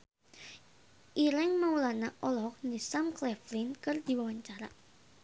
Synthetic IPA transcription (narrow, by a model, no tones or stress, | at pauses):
ʔiɾɛŋmaulanaʔɔlɔk̚nisamklɛflɪnkɨrd̪̥i̤wawaɲt͡ʃaɾa